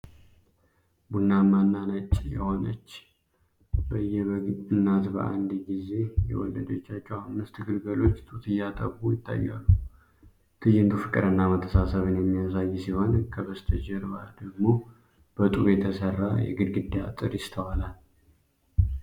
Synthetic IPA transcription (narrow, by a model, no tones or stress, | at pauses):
bunːamanːanat͡ʃʼːjɛ̰ho̞nə̰t͡ʃː | bəjːɛβənːat̪bə̰ʔa̰nd̪ɡize̞jɛ̰wɔ̰lːəd̪ot͡ʃːat͡ʃːɛwhamːɨst̪ɡɨlɡəlo̞t͡ʃːt̪ʼut̪ʰɨjːat̪ʼəβujɪt̪ʰːa̰jːa̰lːu | t̪ʰɨjɪnt̪ʰufɨkʼɨɾɨnːamət̪ʰːəsasəβɨnjɛmːijasajːɛsiho̞nkʰəβəst̪ʰəd͡ʒɛɾbad̪əɡmo̞ | b̥ət̪ʼuβjɛt̪ʰəsərːajɛ̰ɡɨd̪ɡɨd̪ea̰t̪ʼɨɾjɪst̪ʰəwalal